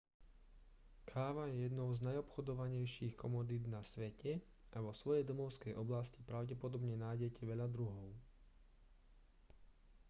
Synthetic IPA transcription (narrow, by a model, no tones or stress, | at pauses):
kʰaːʋajɛjɛd̪nɔʊznajɔpxɔd̪ɔʋaɲɛjʃiːxkɔmɔd̪id̪nasʋɛcɛ | aʋɔsʋɔjɛjd̪ɔmɔʊskɛjʔɔblascipɾaʊɟɛpɔd̪ɔbɲɛnaːjɟɛcɛʋɛʎad̪ɾuɦɔʊ